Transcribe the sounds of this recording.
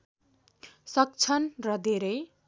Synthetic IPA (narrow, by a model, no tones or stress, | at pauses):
sʌk̚t͡sʰʌnrʌd̪ʱeɾʌj